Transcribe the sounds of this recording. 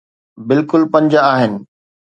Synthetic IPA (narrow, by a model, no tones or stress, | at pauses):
bɪlkʊlpɐ̃ɲd͡ʑaaːɦɪnɪ̆